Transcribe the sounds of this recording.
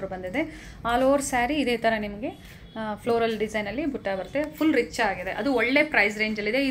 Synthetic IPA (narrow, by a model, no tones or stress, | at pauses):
ɾubɐnd̪id̪e̞ | aːloːɾsaːɾiːd̪eːt̪ɐɾɐnimɐɡe̞ | pʰloːɾɐlɖid͡ʒɐjnɐlːibuʈːaːbɐɾt̪ːe̞pʰulɾit͡ʃːaːɡid̪e̞ʔɐd̪uɔɭːe̞pɾɐjs̬ɾeːɲd͡ʒɐlːid̪ei